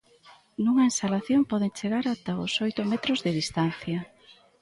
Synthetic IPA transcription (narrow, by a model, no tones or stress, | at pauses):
nuŋɐenst̪alaθjompɔð̞eŋt͡ʃeɣaɾat̪aʊsojt̪ʊmɛt̪ɾozðɪðist̪an̟θjɐ